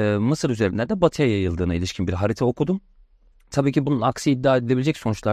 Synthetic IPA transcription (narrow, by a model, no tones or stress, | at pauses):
mɯsɯɾyze̞ɾimlʲæɾd̪ɛbat̪ʰɯjajajɯlˠd̪ɯːnailʲiʃcʰinbiɾɦaɾit̪ʰɛokud̪um | t̪ʰabiːcʰibununaksiid̪ːaːed̪ilʲe̞bilʲed͡ʒɛcso̞nut͡ʃlˠa